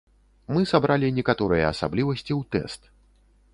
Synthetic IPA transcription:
mɨsabɾalʲinʲɛkat̪ɔɾɨjɐ̰asa̰blʲivɐsʲt͡sʲiwt̪ɛ̰st̪

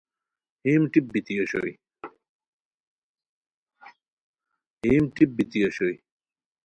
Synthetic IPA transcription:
himʈip̚bit̪ijoɕo̰i | hiːmʈip̚bit̪ijoɕoi

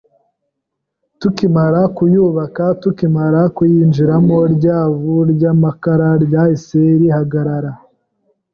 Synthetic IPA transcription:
tukimaɾakujuːβakatukimaɾakujiːnd͡ʒiɾamo̞ɾɟaːβuɾɟaːmakaɾaɾɟaiseɾihaɡaɾaɾa

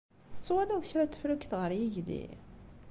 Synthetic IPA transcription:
θə̥t͡sːwælɪðˤçɾæt̪ːə̥fɾukθʁəɾjiʝlḭ

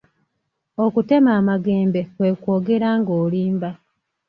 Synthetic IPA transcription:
o̞kute̞maːmaɡe̞ːmbe̞kwe̞kwo̞ːɡe̞ɾaːŋɡoːliːmba

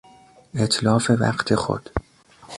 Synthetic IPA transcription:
et̪ʰlɒːfe̞væ̰qt̪ʰexo̰d̪̥

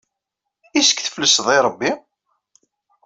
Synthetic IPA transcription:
isə̥kːθə̥fləsðˤiɾˤəbːi

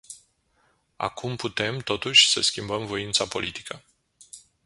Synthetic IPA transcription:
a̰kʰumput̪e̞mt̪o̞t̪uʃʲsəskʲimbəmvo̞int̪sapo̞lit̪i̥kə

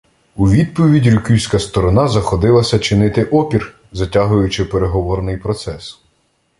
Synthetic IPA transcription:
uʋʲid̪̚pɔʋʲidʲiɾʲʊkʲywʲsʲkɐst̪ɔɾɔnɑzɐxɔd̪ɪlˠɐsʲɐt͡ʃɪnɪt̪ɪʔɔpʲir | zɐtʲaɦʊjʊt͡ʃɪpeɾeɦɔʋɔɾnɪjpɾɔt̪sɛs

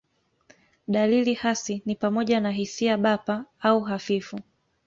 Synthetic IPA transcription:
ɗalilihasinipamɔʄanaɦisiaɓapaauɦafifu

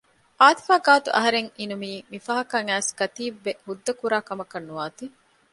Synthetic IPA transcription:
ʔaːt̪i̥faːɡaːt̪ṵʔɐ̰ɦɐɾeŋinumiːmifɐɦɐkɐŋæːskɐt̪iːbːehud̪ːɐkuɾaːkɐmɐkɐnːuaːt̪i

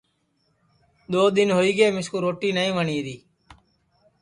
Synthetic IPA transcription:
ɗ̪oːd̪ɪnɦoːiːɡeːmɪskuːɾoːʈiːnəĩːʋəɳiːɾiː

